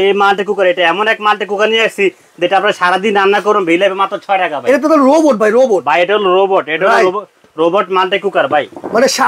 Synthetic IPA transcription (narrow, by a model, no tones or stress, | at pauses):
emalʈak̬ukaɾejʈaɛmɔnɛkmalʈakukaniasi | d͡ʑeʈaap̚naɾʃaɾad̪inːanːakoɾombʱejlabemat̪ːɾɔt͡ʃʰɔjʈakabʱaeʈat̪̬ɔt̪ɔlɾoboʈ̚bʱajɾobobʱajeʈaloɾoboʈeɾalo | ɾobɔʈmalʈakukaɾbʱajmaneʃa